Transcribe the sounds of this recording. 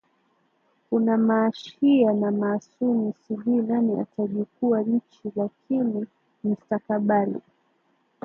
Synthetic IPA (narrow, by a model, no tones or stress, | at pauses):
kunamaːʃianamaːsunisiɓinania̰taʄikuat͡ʃilakʰini | m̩stakaɓalḭ